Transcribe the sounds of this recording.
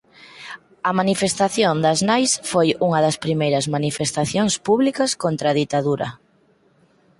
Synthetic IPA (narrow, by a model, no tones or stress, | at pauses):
ɐmanifest̪aθjond̪ɐznajsfojuŋɐðɐspɾimejɾɐzmanifest̪aθjoŋspuβlikɐskont̪ɾaðit̪aðuɾɐ̰